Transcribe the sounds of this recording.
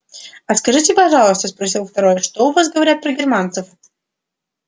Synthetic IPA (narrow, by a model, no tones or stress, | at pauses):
ɐskɐʐɨtʲɪpɐʐɑlˠəst̪əspɾɐsʲilˠft̪ɐɾojəʂt̪oʊvas̬ɡəvɐɾʲat̪̚pɾəɡʲɪrmant̪sɨf